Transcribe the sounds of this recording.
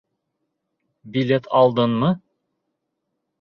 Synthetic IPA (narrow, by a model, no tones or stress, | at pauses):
bilʲet̪ʰɑlˠd̪ɤnmɤ